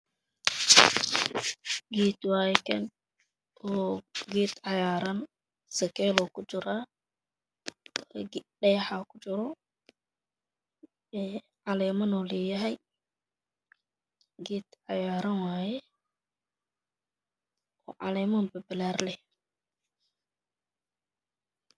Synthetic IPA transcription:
ɡiːt̪waːjkʰɐn | ɔːɡɛːt̪ʕɑjaːɾɐn | sɐkʰɛːlɔːkʰʊt͡ʃɪɾaː | ɖɛjħakʰʊ̥t͡ʃɪɾɔ | ɛː | ʕɑlɛːmɐnɔːlɛjɐɦɛj | ɡɛːt̪ʕɑjaːɾɐnwaːjɛ | ɔ̰ːʕɑ̰lɛːmɐnbɐbɪlaːrlɛ

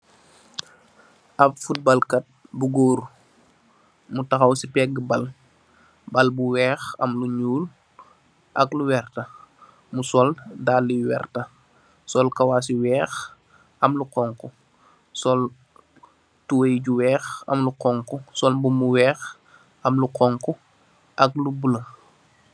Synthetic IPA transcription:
ʔɐpfut̚bɐlkɐt̚buɡoːɾu | mutɐxɐwsipɛɡəbɐl | bɐlbuwɛːxɐ̰mluɲuːl | ʔɐkluwɛrtɐ | musɔldaːlːiwɛ̰ːrtɐ | sɔlkɐwas̬iwɛːx | ɐmluqɔŋku | sɔl | tuwɐjɟuwɛːxɐ̰mluqɔŋkusɔlbumuwɛːx | ɐmluqɔŋku | ʔɐklubulɐ

